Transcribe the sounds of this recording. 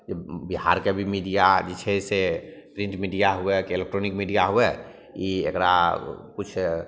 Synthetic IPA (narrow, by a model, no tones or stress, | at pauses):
d͡ʒebiɦa̰ɾkebʱimiɖijad͡ʒit͡ʃʰeisepɾĩɳʈmiɖijaɦuɛkeelek̚ʈɾonikmiɖijaɦuɛ | iḛkɾa̰kut͡ʃʰ